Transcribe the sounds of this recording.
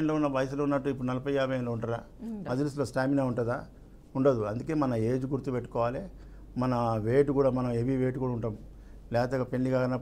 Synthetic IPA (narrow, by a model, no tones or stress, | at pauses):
ɐnloːunːɐʋɐjs̬loːunːɐʈːuipːuɽunɐlɐpɐjjaːbʱɐjɐnloːuɳʈad̪a̰ː | mɐd͡ʒ̪ɐlisloːsʈaːminaːuɳʈɐd̪aː | uɳɖɐːd̪uɐnd̪uke̞ːmɐnɐe̞ːd͡ʒuɡuɾt̪upeʈːukɔːʋaːleː | mɐnɐʋeːʈukuːɽaːmɐnɐmeʋiʋeːʈ̬ukuːɽauɳʈɐːmu | lɛːt̪eɡɐpe̞ɳɖiɡaːɡɐnːɐ